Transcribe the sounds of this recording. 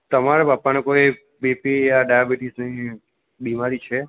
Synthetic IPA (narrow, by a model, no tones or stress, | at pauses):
t̪əmaɾepapːanekoi | bepijaɖajabiʈisnəĩ | bimaɾit͡ʃʰe